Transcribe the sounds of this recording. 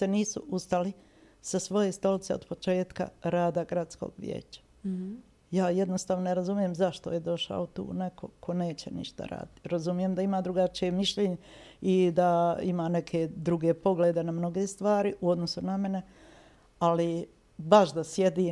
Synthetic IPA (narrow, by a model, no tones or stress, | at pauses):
se̞niːsṵust̪ali | sasʋo̞je̞st̪o̞lit̪seo̞d̪po̞t͡ʃe̞ːt̪ka̰ɾaːd̪aɡɾat̪sko̰ːɡʋjḛːt͡ɕḁ | jaːjed̪no̞st̪aːʋnoneɾazumije̞mzaʃt̪ojed̪o̞ʃa̰ot̪ṵːne̞kʰo̞̰kʰo̞ne̞ːt͡ɕḛnḭʃt̪a̰ɾa̰ːd̪it̪ɾazumije̞md̪aimaːd̪ɾuɡat͡ʃijemiʃʎeːɲeid̪aimaːne̞kʰe̞d̪ɾuɡe̞poɡleːd̪e̞namno̞ɡeːst̪ʋaːɾiʔuo̞d̪no̞suname̞ne̞ | ali | baʃd̪asjed̪iː